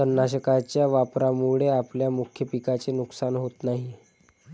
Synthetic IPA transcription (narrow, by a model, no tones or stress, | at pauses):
ənːaɕ̬əkat͡ɕjaʋapɾamuɭeapljamukʰjəpikat͡senuksanɦot̪naɦi